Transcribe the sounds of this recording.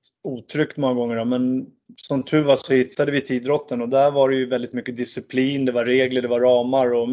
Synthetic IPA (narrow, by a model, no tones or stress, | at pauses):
uːt̪ʰɾʏkt̪mɔŋːaɡɔŋːəɖɔmɛn | sɔmt̪ʰʉ̟ːvasɔhɪt̪ʰːad̪əvɪt̪ʰiːd̪ɾɔt̪ʰːənɔd̪æɾvaɖɛjɵvɛld̪ɪt̪mʏkːəd̪ɪsɪpʰliːnd̪ɛvaɾeːɡləɖɛvaɾɑːmaɾɔ